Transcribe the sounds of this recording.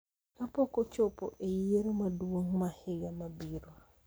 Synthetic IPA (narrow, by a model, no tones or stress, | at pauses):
kapokot͡ʃopoʔejieɾumaduoŋmaheɣamabiɾa